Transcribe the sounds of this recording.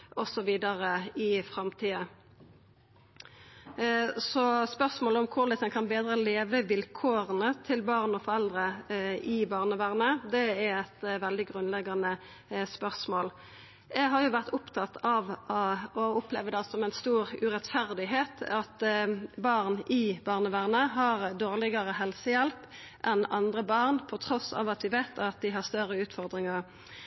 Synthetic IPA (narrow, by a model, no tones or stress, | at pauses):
ʔɔsɔʋiːd̪ɑʁəɪfʁɑmt̪ʰiːə | sɔspœʁsmoːləɔmkʰʊʁlɛt̪ɛnkʰɑnbeːd̪ʁəleːʋəʋɪlkʰoːʁənət̪ʰɪlbɑːʁnɔfɔɾɛld̪ʁəɪbɑːʁnəʋæʁnəd̪ɛæɾæt̪ʋɛld̪ɪɡʁʉnlɛɡːɑnə | spœʁsmoːl | jæɪɦɑʁjʊʋæʁt̪ʊpt̪ʰɑt̪ɑʋɔʊplɛʋəd̪ɛsɔmɛɪnst̪uːɾʉɾɛt̪fæʁd̪ɪɦeːt̪ɑt̪bɑʁnʔɪbɑːʁnəʋæːʁnəɦɑʁd̪oːʁlɪɡəʁəɦɛlsəjɛlp | ʔɛnɑ̰nd̪ʁəbɑʁnpʰɔt̪ʰɾɔsɑ̰ːʋɑt̪ʋɪʋeɪt̪ɑt̪̚d̪ɪɦɑʁst̪œɾəʉːt̪fɔʁd̪ɾɪŋəʁ